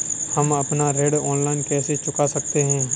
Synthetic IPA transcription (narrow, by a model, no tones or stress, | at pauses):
hɐmɐpnaɾeːɖɔːnlaːɪnkɛːset͡ʃʊkasɐk̚t̪eɦɛ̃ː